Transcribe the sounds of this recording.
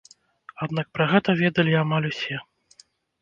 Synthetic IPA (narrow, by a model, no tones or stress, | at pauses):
ad̪nak̚pɾɐɣɛt̪ɐvʲɛd̪ɐlʲiamalʲusʲɛ